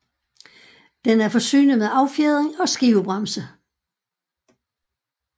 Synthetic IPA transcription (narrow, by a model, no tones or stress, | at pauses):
d̥enæɐfɒ̽sy̰ːnəmeðˠɑ̈ʊfjeð̞ˠʁeŋɒ̽sɡ̥iʊb̥ʁɑmsə